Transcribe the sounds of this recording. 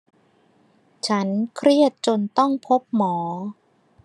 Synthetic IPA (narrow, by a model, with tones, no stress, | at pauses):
t͡ɕʰa˦˥nkʰɾi˥˩ət̪̚t͡ɕo˧nt̪ɔ˥˩ŋpʰo˦˥p̚mɔː˩˦